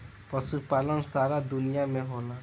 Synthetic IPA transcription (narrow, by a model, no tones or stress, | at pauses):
pɔsupalɔnsaɾad̪unijameɦola